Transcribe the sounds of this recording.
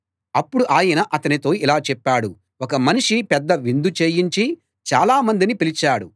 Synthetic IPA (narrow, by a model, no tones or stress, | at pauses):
ɐpːuɽuʔaːjɐnɐʔɐt̪ɐnit̪o̞ːilaːt͡ʃɛpːaːɽu | wɔkɐmɐniʂipɛd̪ːɐʋind̪ut͡ʃe̞ːjiɲt͡ʃi | t͡ʃaːlaːmɐnd̪inipilit͡ʃaːɽu